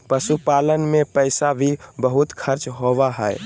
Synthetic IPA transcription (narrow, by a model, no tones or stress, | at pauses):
pəsupalənmepəɪsabʱibəɦut̪kʰəɾt͡ʃɦoʋaɦɛɛ̰